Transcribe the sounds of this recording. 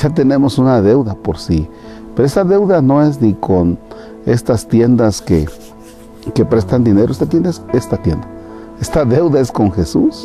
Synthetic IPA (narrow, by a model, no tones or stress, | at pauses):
ʃat̪̬enemosunaðewðapoɾsi | peɾoest̪aðewðanoes̬nikʰon | est̪ast̪jend̪askḛ | kepɾest̪and̪ineɾoest̪at̪jend̪aesest̪at̪jend̪a | est̪aðewðaeskoŋxesṵs